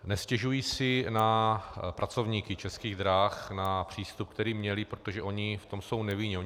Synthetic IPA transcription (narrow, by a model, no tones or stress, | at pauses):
nɛscɛʒujiːsɪnapɾʔat͡so̞vɲiːkɪt͡ʃɛskiːɣd̪ɾaːxnapr̝̥iːst̪up̚kt̪ɛɾiːmɲɛlɪpɾot̪oʒɛʔo̞ɲɪft̪o̞mso̞wnɛvɪɲɛo